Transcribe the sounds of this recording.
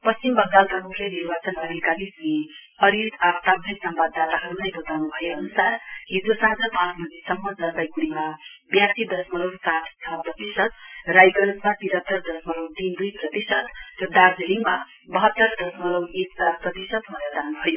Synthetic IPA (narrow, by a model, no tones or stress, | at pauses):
pʌst͡simbʌɡd̪alkamukʰjʌniɾbat͡sʌnʌɾikalismi | ʌɾit̪abt̪ab̪ʰʱʌsʌmbad̪ːat̪aɦʌɾunajbʌt̪awnubʱʌjeʌnusarɦidosaɦd͡zʌpãt͡sbʌd͡zesʌmːʌd͡zʌnt̪ajkuɽimabjasid̪ʌsmʌlʌwsat̪ʰt͡sʰʌprʌt̪isʌt̪rajɡʌnʌsmat̪iɾʌt̪ːʌrd̪ʌsmʌlʌwt̪ind̪ujprʌt̪isʌt̪rʌd̪aɾd͡zʌnima | bʌɦʌt̪ːʌrd̪ʌsmʌlʌwek̚aprʌt̪isʌt̪bʌned̪anubʱʌjo